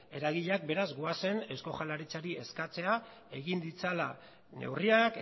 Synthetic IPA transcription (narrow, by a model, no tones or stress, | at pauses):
e̞ɾaɣiʎak̚be̞ɾazɡoase̞ne̞sko̞xalaɾit͡saɾie̞skat͡se̞a | e̞ɣind̪it͡sala̰ | nḛwriak